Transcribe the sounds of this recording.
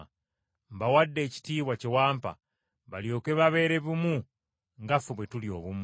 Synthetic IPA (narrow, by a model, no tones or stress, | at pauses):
mbawadːe̞ːci̥tiːβwacewaːmpa̰ | βaljo̞ːkeβaβe̞ːɾe̞βumu | ŋɡafoβwe̞tulio̞̰βumu